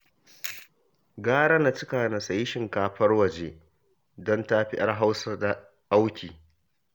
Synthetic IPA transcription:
ɡaː˦ɽa˦na˨t͡ʃɪ˦kaː˨na˨sa˨jɪ˦ʃɪ˨ŋkaː˨ɸɐ˦rwɐ˨d͡ʒeː˦ | dɔ˦nta˦ɸɪ˦ʔɐ˦rɦa˦wsa˦da˨ | ʔa˦wkʲʰiː˨

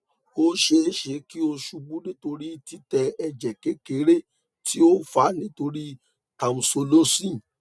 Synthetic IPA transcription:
o˦ʃe˧˦ʃe˨˦ki˦o˧ʃu˧ɡ͡bũ˦nĩ˦to˧ɾi˦ti˦tɛ˧ɛ˧d͡ʒɛ˨ke˨˦ke˨˦ɾe˦ | ti˦o˦fa˨˦nĩ˦to˧ɾi˦ | ka˨mũ˨so˧lo˦sĩ˦˨

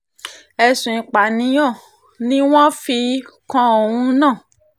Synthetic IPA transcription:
ɛ˧sũ˨ĩ˨k͡pa˨nĩ˨˦jɔ̃˦˨ | nĩ˦w̃ɔ̃˦fi˧kɔ̃˧o˨wũ˧nãː˦˨

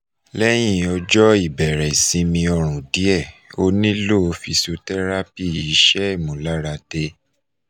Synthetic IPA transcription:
lɛ˦j̃ĩ˦˨ɔ˧d͡ʒɔ˦i˦˨bɛ˨ɾɛ˨sĩ˧mĩ˧ɔ˧˨ɾ̃ũ˨di˨˦ɛ˦˨o˧nĩ˦lo˦˨o˧fi˧so˧tɛ˦ɾa˦pi˦˨i˨˦ʃɛ˦i˦˨mũ˨la˦ɾa˧de˧

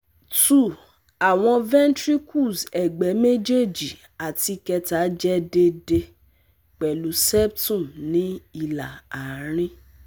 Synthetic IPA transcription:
tu˨ | a˨w̃ɔ̃˧vɛ̃˦n˦tɾi˦kʰu˦˨sɛ˨ɡ͡bɛ˨˦me˦d͡ʒe˦˨d͡ʒi˨ | a˨ti˧kɛ˧ta˨˦d͡ʒɛ˦de˧de˧ | k͡pɛ˨lu˨˦sɛ˦b̚tũ˦˨mnĩ˨˦i˦˧la˨a˨˦ɾ̃ĩ˦

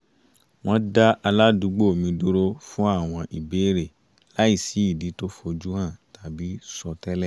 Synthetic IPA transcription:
w̃ɔ̃˦da˦ʔa˧la˦du˨˦ɡ͡bo˦o˨mĩ˧du˦ɾo˦fũ˦a˦˨w̃ɔ̃˧ʔi˨be˨˦˨ɾe˦˨ | la˨˦i˦˨si˨˦i˦˨di˨˦to˦fo˧d͡ʒu˦hã˦˨ta˨˦bi˨˦sɔ˧tɛ˦lɛ˦˨

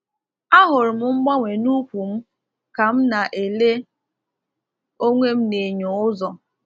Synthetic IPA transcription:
a˦ɦʊ˨ɾʊ˨m̩˦ŋ͡m̩˦ɡ͡ba˦ŋʷe˨nu˦kʷu˨m̩˦ | ka˨m̩˦na˨ʔe˨le˦ | o˦ŋʷe˦m̩˦ne˨ɲo˨ʊ˦zɔ˨

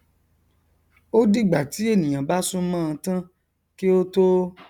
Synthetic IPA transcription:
o˦di˦˨ɡ͡ba˨ti˨˦e˦˨nĩ˨j̃ã˨ba˦sũ˦mãː˦˧tã˦ | ki˦o˦to˦

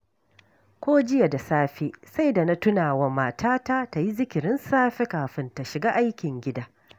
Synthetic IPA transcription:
kʷoː˦d͡ʒɪ˦ja˨da˨saː˦ɸeː˦sa˦jda˨na˦tʊ˦naː˨wa˨maː˨tʰaː˦ta˦ta˨ji˦zɪ˦kʲɪ˨ɾɪ˦nsaː˦ɸe˦kaː˨ɸɪ˦nta˨ʃɪ˨ɡaː˦ʔa˦jkʲɪ˨ŋɡʲɪ˦daː˦

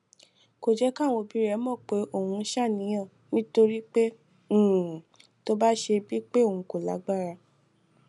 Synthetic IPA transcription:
ko˨d͡ʒɛ˨˦ka˦˨w̃õ˧bi˨˦ɾɛ˨˧˦mɔ̃˦˨k͡pe˨˦ʔo˦˨hũ˧˦ʃa˦˨nĩ˨˦j̃ã˦˨ | nĩ˦to˧ɾi˦k͡pẽ˦˨ | to˦ba˦ʃe˧bi˦k͡pe˦o˨ũ˨˧ko˨la̰˨˦ɡ͡ba˦˨ɾa˧

